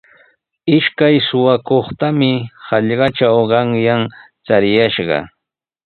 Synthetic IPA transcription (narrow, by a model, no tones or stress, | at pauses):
ɪʃkajsʊwakoχt̪amɪhɑʎɢɑt͡ʃawɢɑŋjaŋ | t͡saɾɪjaʃɢɑ̰